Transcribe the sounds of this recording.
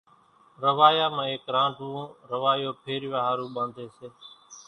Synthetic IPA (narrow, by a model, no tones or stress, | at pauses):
ɾəʋaːjaːmãːeːkɾãːʈũːɾəʋaːjoːpʰeːɾʋaːɦaːɾũːɓãːnd̪ʱeːseː